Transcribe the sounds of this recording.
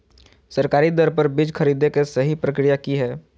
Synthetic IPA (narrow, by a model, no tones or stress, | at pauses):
səɾkaːɾid̪ɔɾpəɾbɪd͡ʒkʰɐɾiːd̪ekesɐɦipɾəkɾijakiɦɛː